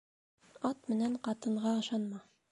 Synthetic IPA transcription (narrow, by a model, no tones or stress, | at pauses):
ɑt̪mɘ̆næɴqɑt̪ɤ̆ɴʁɑɤ̆ʃɑnmɑ